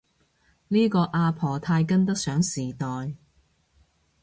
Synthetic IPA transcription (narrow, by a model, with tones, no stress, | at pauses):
niː˥kɔː˧ʔaː˧pʰɔː˨˩t̪ʰaː˧jk̬ɐ˥nt̪ɐ˥k̚sœː˨˥ŋsiː˨˩t̪ɔː˨j